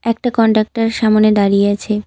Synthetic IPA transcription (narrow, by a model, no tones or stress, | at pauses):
ɛk̚ʈakɔɳʈak̚ʈaɾʃamoned̪aɾijeat͡ɕʰe